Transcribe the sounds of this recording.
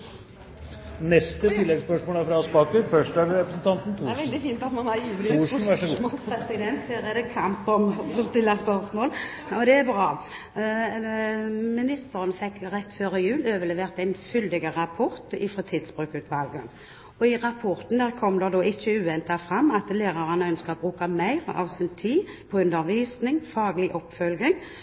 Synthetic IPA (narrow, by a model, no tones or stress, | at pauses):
nɛst̪ət̪ɪlːɛɡspœʂmoːlæɾfɾɑɑspɑːkəɾfœʂʈæɾɾɛpɾəsn̩t̪ʰɑnt̪n̩t̪ʰæʋɛld̪ɪfiːnt̪ɑt̪mɑnɑɾjiːʋlɪʂnʋæɔɛsɪd̪ɛnt̪heɾʁɛd̪əkʰɑmpɔmfɔst̪ɪlːɑspœʁsmoːl | ɔd̪ɛæbʁɑː | mɪnɪst̪əɾənəfɛkːʁɛt̪ːføːɾəɪjʉːløːʋəlɛːʋeːʁt̪æɪnfʏld̪ɪɡəʁɑpʰɔʁt̪ɪ̰fʁɑt̪ʰɪd̪sb̥ʁʉːkʉːt̪ʋɑlɡə | ɔɪʁɑpʰɔɾt̪n̩d̪æʁkʰɔmd̪ɛd̪oːʔɪçːəʉːʋɛnt̪ɑfɾɑmːɑt̪leːʁɑʁənəœnskəʁɔt̪bʁʉːkɑmæɪʁɑ̰ʋsɪnt̪ʰiː | pʰɔʉnd̪əʁʋiːsnɪŋfɑːɡlɪʔɔpːfœlɡɪŋ